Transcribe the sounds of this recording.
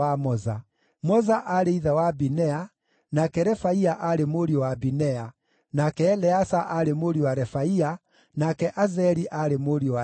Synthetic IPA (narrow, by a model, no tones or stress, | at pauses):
amɔza | mɔzaʔaɾeiðawabinɛa | nakɛɾɛfaiaʔaɾemoɾiowabinɛa | nakɛːlɛasaʔaɾemoɾiowaɾɛfaia | nakɛʔazɛɾiʔaɾemoɾiowa